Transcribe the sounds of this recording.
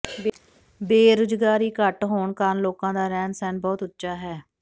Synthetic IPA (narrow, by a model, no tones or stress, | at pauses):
b | beːɾʊd͡ʒɡaːɾiːkəʈɦoːɳkənloːkãːd̪aːɾɛːnsɛːnbɔːt̪ʊtːʃaːɦɛː